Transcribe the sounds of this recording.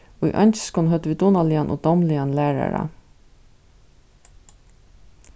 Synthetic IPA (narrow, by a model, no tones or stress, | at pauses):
oːḭːʔɑnç̥skonhœt̪əʋiːd̪ɔnɑliːɑnʔo̰ːd̪ɔmliɑnlæːɹɑ̰ɾɑ̰